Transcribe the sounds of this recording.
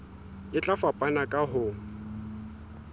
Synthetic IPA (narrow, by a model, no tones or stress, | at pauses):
ɪt͡ɬʼafapʼanakʼaɦʊ